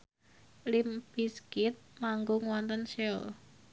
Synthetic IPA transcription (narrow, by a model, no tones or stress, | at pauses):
limb̥iskɪt̪̚maŋɡoŋwɔnt̪ənsɛ̰l